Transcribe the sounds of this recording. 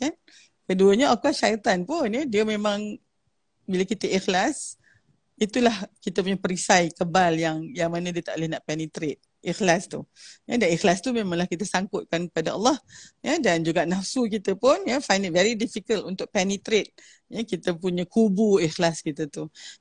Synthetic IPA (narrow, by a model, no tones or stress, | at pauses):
kan | kəduəɲəakuaʃajt̪anpʊnədiəmẽmãŋ | biləkit̪əʔixlas | it̪ulahkit̪əp̬uɲapəɾisajkəbaljaŋjaŋmanədiət̪a̰ʔlehnaʔpɛnit̪ɾet̪̚ | ʔixlast̪ujadanixlast̪umẽmãŋlahkit̪əsaŋkʊt̪̚kankəpadaɑ̰lːɑhjədand͡ʒuɡaʔnafsuk̬it̪əpʊnjəfajndit̚vɛɾidifikəlunt̪ʊk̚pɛnit̪ɾet̪̚ | jəkit̪əpuɲəkubuixlaskit̪ət̪u